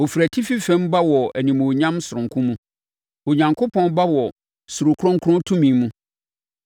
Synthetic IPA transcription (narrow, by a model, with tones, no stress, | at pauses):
o˨fi˨ɾæ˨tʰi˦fi˦fɛ̃˦mba˦wɔ˨æ˨nĩ˨mõ˨ɲã˦msʊ˨ɾʊ̃˨ŋkʰʊ̃˦mũ˦ | o˨ɲã˨ŋkʰʊ˦pʰɔ̃˦nba˦wɔ˨ | sʊ˨ɾʊ˨kʰʊ˦ɾʊ̃˦ŋ˦kʰɾʊ̃˦ntʰũ˦mĩ˨˦mũ˦